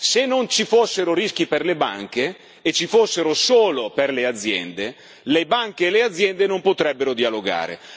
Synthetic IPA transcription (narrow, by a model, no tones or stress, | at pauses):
senːont͡ʃifosːeɾoɾisk̟iperleba̰ŋk̟eː | t͡ʃːifosːeɾosoːloperlead̪zːjɛ̰nd̪e | lebaŋk̟eːlead̪zːjɛnd̪enompot̪ɾɛbːeɾod̪ialoɡa̰ːɾḛ